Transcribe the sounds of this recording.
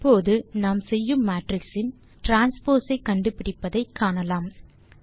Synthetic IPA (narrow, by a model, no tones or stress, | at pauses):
pːoːðɯnaːmsɛjːɯmːaːʈrɪksɪn | ʈɾaːnspoːsɐɪkːɐɳɖɯpɪɽɪpːɐðɐɪkʰːaːɳɐlaːm